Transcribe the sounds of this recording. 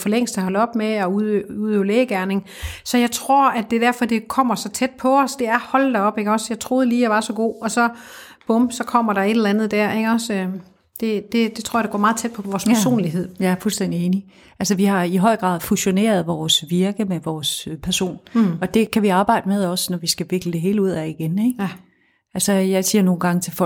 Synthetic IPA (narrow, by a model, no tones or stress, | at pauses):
fɒleŋ̰sd̥æhɒ̽lɒ̽b̥meɒuøuðˠøʊleːɡ̥æɐne̝ŋ | sɒ̽jɑ̈ɪt͡sʰʁo̝ɐ̰æd̥e̝d̥æɐ̰fɒ̽d̥e̝kʰɒ̽m̰ɐsɒ̽t͡sʰed̥̚pʰɒ̽ːsd̥e̝æɐhɒ̽l̰̥ɑɒ̽b̥eɡ̥ɒ̽sjɑ̈ɪt͡sʰʁo̝ːð̞ˠliːjɑ̈ʋɑ̈sɒ̽ɡ̥o̝̰ːɒ̽sɒ̽ | b̥ɔ̽msɒ̽kʰɒ̽m̰ɐɾɑ̈e̝ɾl̩ænð̞̩ˠd̥æɐeɡ̥ɒ̽sø | d̥e̝d̥e̝d̥e̝t͡sʰoɐ̰jd̥eɡɒ̰ːmɑ̈ːð̩ˠt͡sʰed̥̚pʰɒʋɒːspʰɐso̝̰ːnliɦe̝ð̞̰ˠjɑæɐfulsd̥en̰d̥ie̝ːni | ʔælsəʋihɑ̈iɦɒ̽ɪ̰ɡ̥ʁɑ̰̈ːðˠfuɕo̝ne̝̰ːɐð̞ˠʋɒːsʋiɐɡ̥əmeʋɒːspʰæɐso̝̰ːnɒ̽d̥e̝kʰæʋiɑ̈ːb̥ɑ̈ɪ̰d̥əmeðˠɒ̽snɒʋisɡ̥æʋe̝ɡ̥ləd̥e̝ɦe̝ːləuð̞̰ˠæiɡ̥eneɡ̥ | ælsəjɑ̈ɪsiːɐno̝ːn̩ɡ̥ɑ̈ŋət͡sʰe̝fɒ